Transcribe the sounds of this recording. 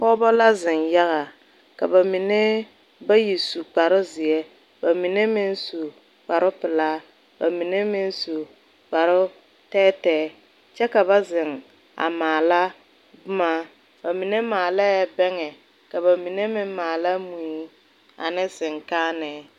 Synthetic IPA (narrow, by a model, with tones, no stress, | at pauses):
pɔ˦bɔ˦la˦zɪ˨nja˦ɣa˨ | ka˨ba˨mi˨ne˦ | ba˦ji˨su˨k͡pa˨ɾʊ˦zɪ˨ɛ˦ | ba˨mi˨ne˦mɪ˦nsu˨ | k͡pa˨ɾʊ˦pɪ˨laː˦ | ba˨mi˨ne˦mɪ˦nsu˨ | k͡pa˨ɾʊ˦ | tɛː˦tɛː˦ | t͡ʃɛ˦ka˨ba˦zɪ˨ŋ | a̰˨maː˨la˦ | bʊ˦maː˦ | ba˨mi˨ne˦maː˨la˦ja˦bɛ˦ŋɛ˨ | ka˨ba˨mi˨ne˦mɪ˦mmːaː˨la˦mu˨i˦ | a̰˨nɪ˦sɪ˨ŋkaː˦nɛ˨